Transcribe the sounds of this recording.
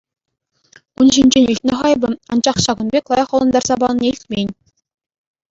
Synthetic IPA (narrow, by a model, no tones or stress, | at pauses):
unʑinʲd͡ʑenʲilʲtʲnʲĕχɑjbɤ̆ɑ̰nd͡ʑɑχɕɑɡɤ̆nbʲeklˠɑjɑχɤ̆lˠɤ̆nd̪ɑrz̥ɑbɑlˠɤ̆nʲeilʲtʲmʲenʲ